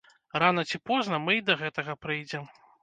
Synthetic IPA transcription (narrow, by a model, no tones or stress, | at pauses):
ranɐt͡sʲipɔznɐmɨid̪ɐɣɛt̪ɐɣɐpɾɨjd͡zʲɛm